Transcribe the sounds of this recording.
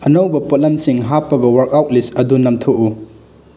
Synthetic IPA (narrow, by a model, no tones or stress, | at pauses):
ɐnɐwbɐpot̚lɐmsiŋɦapːɐɡɐwɐɾkawt̚lisɐdunɐmtʰoʔu